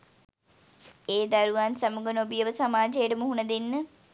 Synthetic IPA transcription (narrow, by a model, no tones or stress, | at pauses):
eːd̪aɾuʋansamuɡənobijəʋəsamaːd͡ʒejəʈəmuɦunɐd̪enːə